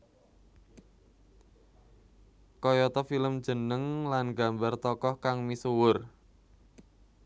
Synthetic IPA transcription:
kɔjɔt̪ɔfiləm̥d͡ʒ̥ə̤nəŋlanɡa̤mbart̪ɔkɔhkaŋmisuwʊr

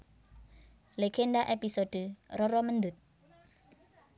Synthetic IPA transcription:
leɡ̥enɖaʔepisoɖ̥ərɔɾɔmənd̪ʊt̪̚

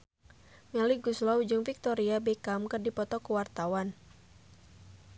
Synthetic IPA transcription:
ŋaliɡuslɔwd͡ʒɨŋfik̚t̪ɔɾiabɛkamkɨrdipɔt̪ɔkuwart̪awan

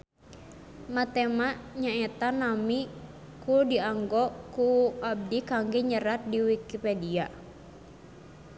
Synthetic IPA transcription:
mat̪emaʔɲaɛt̪anami | kudiaŋɡɔkuab̚dikaŋɡɛɲəɾat̪̚diwikipedia

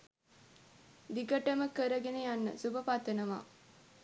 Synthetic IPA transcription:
d̪iɡəʈəməkəɾəɡenejanːə̰subəpat̪ənəʋa̰ː

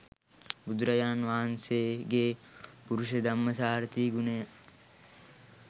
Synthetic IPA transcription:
bud̪ɾɐjaːnʋaːɐnseːɡeːpuɾuʃed̪ɐmːɐsaːɾt̪iːɡuneja

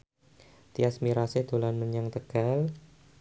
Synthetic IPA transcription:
t̪iasmiɾasehd̪̥o̤lanməɲaŋt̪əɡ̥al

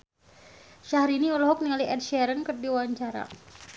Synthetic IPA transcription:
ʃahɾiniɔlɔɦɔk̚niŋaliʔɛd̚ʃɛɾənkərdiwaɲt͡ʃaɾa̰

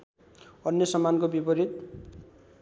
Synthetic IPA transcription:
ʌnjʌsʌmːankobibʌɾit̪̚

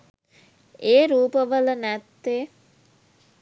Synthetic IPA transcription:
eːɾuːpəʋələnæt̪ːeː

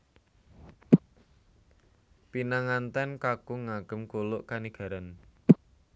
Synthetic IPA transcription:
pinaŋant̪ɛnkakuŋaɡ̥ə̤mkolʊʔkaniɡ̥a̤ɾan

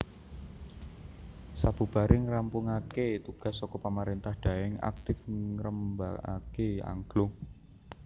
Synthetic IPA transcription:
sab̥ub̥a̤ɾʔɪŋɾampʊŋaket̪uɡ̥a̤sːɔkɔpamaɾint̪ahɖ̥a̤ɛŋa̰k̚t̪ɪfɾəmba̰a̰kea̰ŋɡ̥lʊŋ

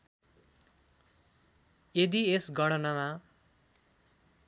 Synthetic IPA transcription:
jed̪iesɡʌɽʌnʌma

